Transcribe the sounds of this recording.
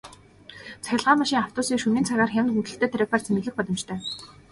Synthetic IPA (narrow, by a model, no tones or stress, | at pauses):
t͡saxʲɪ̆ɮʁaːmaʃiːŋaw̥t̪ʊːsiːkʃuniːnt͡sʰaɣaːrxʲamʲnxunt̪ɘ̆ɬt̪ʰeːt̪ʰæɾʲak̚paːrt͡sʰemɘ̆ɮɘ̆x̚pɔɮɞ̆mt͡ɕt̪ʰœː